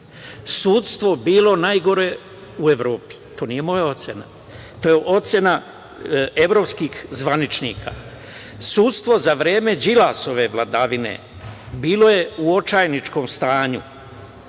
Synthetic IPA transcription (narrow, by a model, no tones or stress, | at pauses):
suːt̪st̪ʋo̞biːlo̞najɡo̞ɾe̞ | ue̞ʋɾo̞ːpi̥t̪o̞ːnije̞mo̞jao̞t̪sʲjena̰ | t̪oːje̞ʔo̞t̪sʲje̞na | e̞ʋɾo̞pskiːxzʋanit͡ʃnḭːkʰa̰ː | suːt̪st̪ʋo̞zaʋɾe̞ːme̞d͡ʒilaso̞ʋe̞ʋlˠad̪aʋine̞̰ | biːlo̞je̞uo̞t͡ʃajnit͡ʃko̞ːmst̪aːɲu